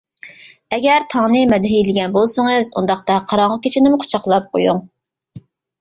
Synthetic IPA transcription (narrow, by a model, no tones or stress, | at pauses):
ɛɡʲɛɾt̪ʰɑŋnɨmɛd̪ɦilɪɡʲɛnbolˠsɨŋɨzṵnd̪ɑχt̪ɑqʰɑɾɑŋʁɑkʲʰet͡ʃʰinɪmʊqʰʊ̥t͡ʃʰɑχlˠɑp̚qʰo̰juŋ